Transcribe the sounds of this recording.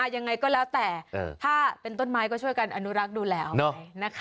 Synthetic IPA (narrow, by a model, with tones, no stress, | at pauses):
aː˧ja˧ŋːa˧jkɔː˥˩lɛː˦˥wt̪ɛː˨˩ʔːt̪ʰaː˥˩pe˧nt̪o˥˩nmaː˦˥jkɔː˥˩t͡ɕʰu˥˩əjka˧nʔa˧nu˦˥ɾa˦˥k̚duː˧lɛː˦˥nɔ˦˧jna˦˥kʰ